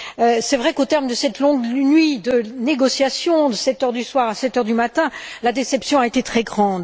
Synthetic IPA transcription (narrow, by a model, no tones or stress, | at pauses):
øsɛvʁɛkot̪ɛʁmd̪əsɛt̪lɔ̃ɡnɥid̪əneɡɔsjasjɔ̃d̪əsɛt̪œʁd̪yswaʁasɛt̪œʁd̪ymat̪ɛ̃lad̪esɛpsjɔ̃aet̪et̪χɛɡʁɑ̃ːd̪